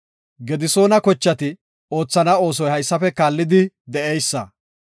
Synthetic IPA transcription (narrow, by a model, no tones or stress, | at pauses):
ɡɛd̪ɪso̞ːnɐkɔt͡ʃːɐt̪ɪ | o̞ːt͡sːɐnɐo̞ːs̬ɔjhɐjsːɐfɛkaːlːɪd̪ɪ | d̪ɛʔejsːɐ̰